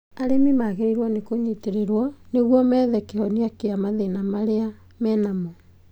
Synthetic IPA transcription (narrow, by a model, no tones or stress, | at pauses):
aɾemimaɣeɾeɾwɔnekoɲeteɾeɾwɔneɣwɔmɛðɛkehɔneakeamaðenamaɾea | mɛːnamɔ